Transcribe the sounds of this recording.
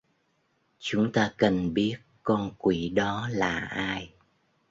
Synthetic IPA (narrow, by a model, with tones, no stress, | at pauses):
t͡ɕʊ˨˦ŋ͡mt̪aː˧kə˨˩nɓi˦˥ət̚kɔ˧nkwi˧˩˦ɗɔ˨˦laː˨˩ʔaː˧j